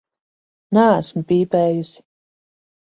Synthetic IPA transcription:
nææsmpiːpɛːjus

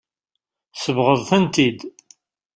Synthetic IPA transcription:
səvʁəðˤθənt̪id̪

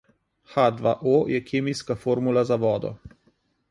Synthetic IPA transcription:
xad̪ʋa̰ʔojɛkʰeːmijskafoːɾmulazaʋɔːd̪ɔ̰

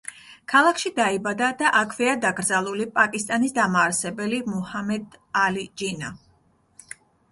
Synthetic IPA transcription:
kʰalˠakʰʃid̪aibad̪ad̪aʔakʰvɛad̪aɡɾd̪zalˠulipʼakʼist̪ʼanisd̪amaːɾsɛbɛlimuhamɛd̪alid͡ʒina

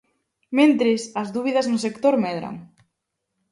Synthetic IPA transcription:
mẽnt̪ɾɪsɐzðuβiðɐznʊsekt̪oɾmɛðɾa̰ŋ

